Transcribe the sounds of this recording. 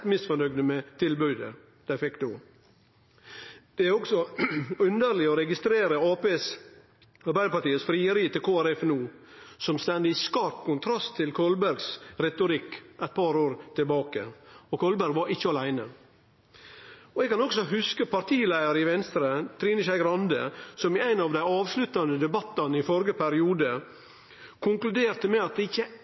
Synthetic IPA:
t̪mɪsfɔnœɡd̪əmɛt̪ʰɪlbʉd̪ə | d̥̪æɪfɪkːd̪oː | d̪̥ɛæɾɔɡsɔʉnd̪əɾlɪɔɾɛɡɪst̪ɾeːɾəɑːpeːs | ɑɾbæɪd̪əpɑʈ̪iːəsfɾiːəɾiːt̪ɪkʰoːæɾɛfnuː | sɔmst̪ɛnd̪ɪskɑːpkʊnt̪ʰɾɑst̪ʰːɪlkʰɔlbæɾɡsɾɛt̪ʊɾɪkʔɛɪt̪̚pʰɑɾoːɾt̪ʰɪlbɑːkə̰ɔkʰɔlbæɾɡʋɑɾɪçːəɑlæɪnə | ɔɛɡ̚kɑnɔksɔɦʉskəpʰɑɾt̪ʰiːlæɪəɾɪʋɛnst̪ɾət̪ʰɾiːnɪʃæɪɡɾɑnd̪ə̰sɔmɪæɪnɑʋd̪æɪɑːʋslʉt̪ɑnəd̪ɛbɑt̪ːɑnəɪfɔɾɡəpʰæɾɪuːd̪ə | kʰʊŋklʉd̪eːɾt̪əmɛɑt̪̚d̪ɛɪçːə

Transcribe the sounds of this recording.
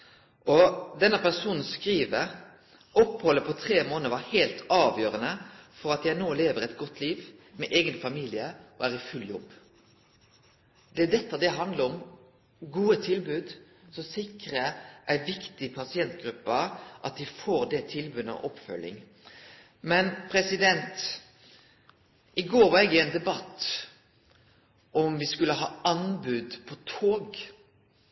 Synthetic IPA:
ʔɔd̪ɛnːəpæʁsuːnn̩skʁiːʋəɾ | ɔpːhɔlːəpʰɔt̪ʰʁeːmoːnəəʋɑhæɪlt̪ɑːʋjøːɾənəfɔɾɑt̪̚jænoːleːʋəʁɛɪt̪ɡɔt̪ʰːliːʋmɛʔeːɡənfɑmiːlɪəʔɔ̰æːʁɪfʉljɔbː | d̪ɛd̪ɛt̪ːɑd̪ɛɦɑnd̪ləɾɔm | ɡuːət̪ʰɪlbʉːd̪ | sɔsɪkɾəʔæɪʋɪkt̪ɪpʰɑsɪɛnt̪ɡɾʉpːəʔɑ̰t̪̚d̪ɪfoːɾd̪ɛt̪ʰɪlbʉːd̪ə̰ʔɔpfœ̰lːɪ̰ŋ | mɛnpʰɾɛsɪd̪ɛnt̪ | ʔɪɡoːɾʋɑɛɡɪɛnd̪ɛbɑt̪ː | ʔɔmʋɪskʉləɦɑːɑnbʉd̪pʰɔt̪ʰoːɡ

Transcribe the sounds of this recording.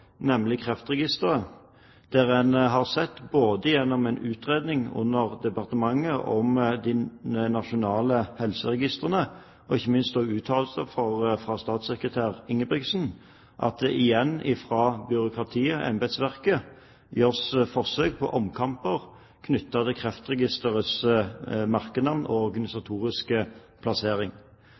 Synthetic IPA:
nɛmlɪkʰʁɛft̪ʁɛɡɪst̪əʁə | d̪̥æʁɛnɦɑʁsɛt̪ːboːd̪əjɛnːɔmɛnʉːt̪ʁeːd̪nɪŋʊ̰nːəʁd̪ɛpɑʁt̪əmɑŋːəʔɔ̰md̪ɪnɑʃʊnɑːləhɛlsəʁɛɡɪst̪əʁənə | ɔɪçːəmɪnst̪ɔːɡʉːt̪ʰɑːlsəfɔʁfʁɑːst̪ɑːt̪sɛkʁət̪ʰæːʁɪŋːəbʁɪɡsn̩ | ʔɑ̰t̪̚d̪ɛʔɪjɛnːɪfʁɑːbʏɾʊkʁɑt̪ʰiːəʔɛ̰mbɛd̪sʋæʁkə | jøːʁsfɔʁsøːk̚pʰɔ̰ʔɔmkʰɑmpəʁ | kʰnʏt̪ːɑt̪ɪkʰʁɛft̪ʁɛɡɪst̪əʁəsəmɑʁkənɑmnɔɔʁɡɑnɪsɑt̪ʰuːʁɪskə | pʰlɑseːʁɪŋ

